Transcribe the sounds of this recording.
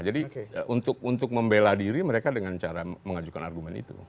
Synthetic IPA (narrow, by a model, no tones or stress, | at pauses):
d͡ʒadiʔunt̪ʊk̚unt̪ʊk̚məmbeladiɾiməɾekadəŋant͡ʃaɾaməŋad͡ʒukana̰rɡumɛnḭt̪ṵ